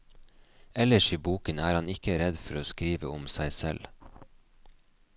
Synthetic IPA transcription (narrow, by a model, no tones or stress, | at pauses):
ɛləʃiːbuːkənæːɾhɑnɪkəɾɛd̪fɔɾoːskɾiːʋəʊmsæɪsɛ̰l